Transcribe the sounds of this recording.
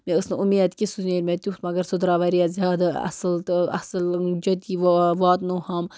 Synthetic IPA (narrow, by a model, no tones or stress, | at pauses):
meəsnɨumeːd̪kʲisuneːɾʲmʲet̪ʲut̪mɐɡɐɾsud̪ɾaːʋɐɾijazʲaːd̪ɐ̰slt̪ɐ̰sld͡ʒɐt̪iʋʋaːt̪nuhɐm